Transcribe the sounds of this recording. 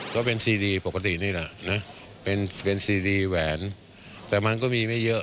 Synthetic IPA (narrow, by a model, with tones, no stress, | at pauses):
kɔː˥˩pe˧nsiː˧diː˧po˨˩ka˦˧t̪i˨˩niː˥˩lɛ˨˩ʔna˦˥ | pe˧npe˧nsiː˧diː˧wɛː˩˦n | t̪ɛː˨˩ma˧nkɔː˥˩miː˧ma˥˩jɤ˦˥ʔ